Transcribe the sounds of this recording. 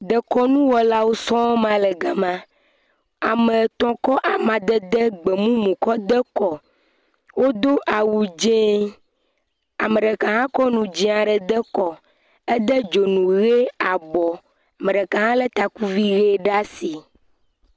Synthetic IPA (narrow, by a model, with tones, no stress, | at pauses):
d̪ə˨kɔ˦nũ˦wɔ˨la˦wo˦sɔ̃˦mã˦lɛ˨ɡa˨mã˦ | a˨mə˨t̪ɔ̃˨kɔ˦ʔa˨mã˨d̪ə˦d̪ə˦ɡ͡bɛ˨mũ˦mũ˨kɔ˦d̪ə˦kɔ˨ | wo˦d̪o˦ʔa˨wu˨d͡ʒẽ˦ | a˨mə˨ɖɛ˨kã˨ɦã˦kɔ˦nũ˨d͡ʒĩ˦ã˨ɖɛ˨d̪ə˦kɔ˨ | ɛ˦d̪ə˦d͡ʒo˨nũ˨ɣe˦a˨bɔ˨ | a˨mə˨ɖə˨kã˨ɦã˦lɛ˦t̪a˨ku˦vi˦ɣe˦ɖa˦si˨